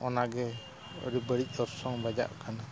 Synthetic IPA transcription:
ɔnaɡɛ | ɔ̰ɾɛbəɽic̚ˀɔɾsɔŋbad͡ʒa̰ʔkʰana

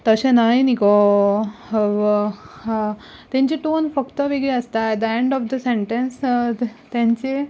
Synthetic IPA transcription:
t̪əɕẽnajniko | t̪jãɲt͡ɕeʈonfəkt̪əʋiɡɭeəst̪ad̪əeɳɖɔfd̪əseɳʈẽns | t̪jãɲt͡ɕe

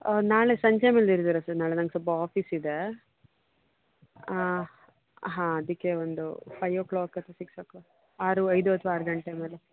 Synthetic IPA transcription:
naːɭesɐɲt͡ʃɐmeːliɾt̪iɾɐsɐɾnaːɭenɐŋɡesɔpɐaːpʰisid̪e | ɦãːɐd̪ikːeond̪ṵpʰɐjʋoːkɭoːkɐt̪ɐsiksɐko | aːɾuɐjd̪uɐt̪ʰʋaaːɾɡɐɳʈemeːle

